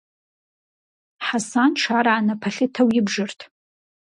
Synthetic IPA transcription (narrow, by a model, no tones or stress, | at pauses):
ħasanʈ͡ʂʰaɾaːnapʰaɬʲɪtʰawjɪbʐɨrtʰ